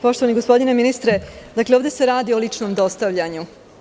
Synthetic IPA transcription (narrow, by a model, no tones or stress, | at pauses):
po̞ʃt̪oaniɡospo̞d̪ineminist̪ɾed̪akleoʋd̪e̞se̞ɾaːd̪io̞lit͡ʂnomd̪o̞st̪aʋʎaɲu